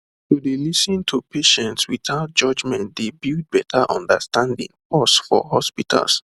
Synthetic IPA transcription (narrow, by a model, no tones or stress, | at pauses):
todelisĩntʰupeʃɛ̃ntswiθaʊt̚d͡ʒʌd͡ʒmɛ̃nt̚debild̚bɛtʰaʔɔ̰̃ndastãndḭ̃ŋpɔsfɔ̰ɦɔspitʰa̰ls